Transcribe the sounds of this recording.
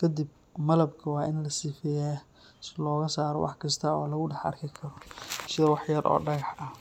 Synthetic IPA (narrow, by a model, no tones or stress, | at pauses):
kʰɐd̪ib̚ | mɐlɐbkʰɐwɑːʔɪnlɐsiːfɛjɛː | slɔːɣɐsaːɾɔ̰wʔɑ̰ħkʰɐst̪ʰɐɔːlɐɣʊɖɛħɐ̰rkʰɪkʰɐɾɔsɪðɐwɑħjɐrʔɔ̰ːɖɐɣɑħɐ